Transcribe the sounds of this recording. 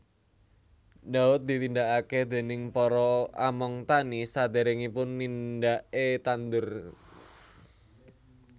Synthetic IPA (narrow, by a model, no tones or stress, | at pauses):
daʊt̪̚d̪i̤t̪ind̪aʔakehd̪e̤nɪŋpɔɾɔamɔŋt̪anisad̪eɾɛŋipʊnːind̪aʔet̪and̪ʊr